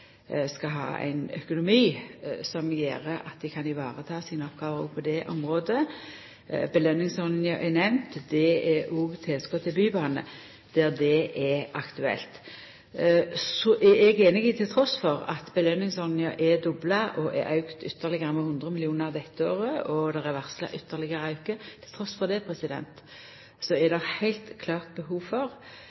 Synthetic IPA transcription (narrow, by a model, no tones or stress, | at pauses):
skɑɦɑ̰ːʔæ̰ɪnœ̰kʊnʊmiːsɔmjḛːɾəɑ̰t̪̚d̪ɛkʰɑnɪʋɑːʁət̪ʰɑːsiːnəɔpɡ̥ɑːʋəʁɔ̰pʰɔd̪ɛʔɔ̰mʁoːd̪ə | bəlœnːɪŋsɔnjəʔɛnɛʋnt̪d̪ɛɛʔɔːɡt̪ʰɛlskɔt̪ʰːɪlbyːbɑːnə̰ | d̪̥ɛʁd̪ɛʔɛɑkt̪ʉɛ̰lt̪ | sɔʔɛɛɡeːnɪɡɪt̪ʰɪlt̪ʰɾɔsfɔʁɑ̰t̪bəlœnːɪŋsɔnjɑʔɛd̪ɔbləʔɔʔɛ̰ɾʔɑʉkt̪ʏt̪ʰːəʁlɪɡəʁəmɛhʊnd̪ʁəmɪlɪuːnəd̪ɛt̪ːəoːʁəɔd̪ɛʁɛʋæʁslə̰ʔʏt̪ːəʁlɪɡəɾəɑʉkət̪ʰɪlt̪ʰɾɔsfɔʁd̪ɛpʰɾɛsɪd̪ɛ̰nt̪ | sɔɛd̪ɛhæɪlt̪kʰlɑːʁt̪̚bəɦuːfɔʁ